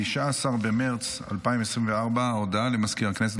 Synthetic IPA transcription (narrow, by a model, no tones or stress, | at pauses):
iʃaːsaʁbemeʁt͡s | a̰lpaimesʁimveaʁbaod̪alemaskiʁaknes̬et̪